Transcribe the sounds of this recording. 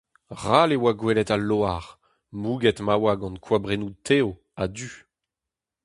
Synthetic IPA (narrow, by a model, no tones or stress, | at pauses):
ʁalewaɡwɛlɛtaloaʁ | muːɡɛt̪mawaɡɑ̃nkʰwabʁenutʰeo | ad̪y